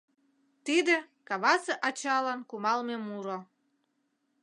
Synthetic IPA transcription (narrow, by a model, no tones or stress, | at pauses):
t̪id̪ĕkɑβɑseʔɑt͡ɕɑlɑnkumɑlmemuɾo